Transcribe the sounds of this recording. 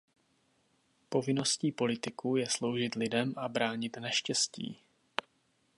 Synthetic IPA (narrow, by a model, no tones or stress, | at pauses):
po̞vɪno̞sciːpo̞lɪt̪ɪkujɛslo̞wʒɪt̪lɪdɛmʔabɾaːɲɪt̪naʃcɛscḭː